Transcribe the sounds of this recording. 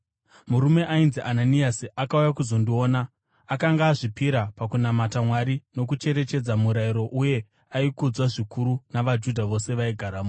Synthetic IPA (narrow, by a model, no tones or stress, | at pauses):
muɾume̞ʔainziʔananiasiʔakaujakuzo̞ndio̞ːnaː | kaŋɡaːʐipiɾapakunamatamwaɾino̞k̬ut͡ʃe̞ɾe̞t͡ʃe̞d͡zamuɾaiɾo̞ʔuje̞ | aikud͡zwaʐikʰuɾunaʋad͡ʒudʱaʋo̞se̞ʋaiɡʱaɾamuː